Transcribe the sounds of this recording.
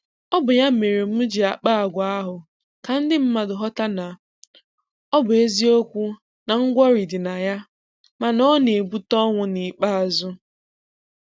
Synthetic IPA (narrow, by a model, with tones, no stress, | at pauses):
ɔ˦bʊ˨ja˦m̩˦˨me˨ɾe˨m̩˦d͡ʒi˨a˨k͡pa˦a˨ɡʷa˨˦a˦ɦʊ˨ | ka˨n̩˦dɪ˦m̩˦ma˨dʊ˨ɦɔ˦ta˦na˨ | ɔ˦bʊ˨e˦zi˦o˦kʷu˦ | na˨ŋ̩˦ɡʷɔ˦ɾi˨dɪ˨na˨ja˦ | ma˨nɔ˦ne˨bu˦tɔ˦ŋʷʊ˦ni˨k͡pa˦a˨zʊ˦